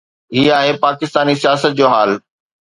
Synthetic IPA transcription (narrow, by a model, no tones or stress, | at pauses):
ɦiːaːɦepaːkɪst̪aːnisijaːsət̪̚d͡ʑoːɦaːl